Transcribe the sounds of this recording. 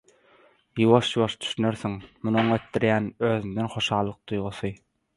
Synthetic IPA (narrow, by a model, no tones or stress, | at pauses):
juβoʃjuβoʃd̪y̥ʃyneɾθiŋmunoŋøt̪dːiɾjæːnøːðymd̪enχo̞ʃɑːlˠːɯq̚d̪ujʁuθɯ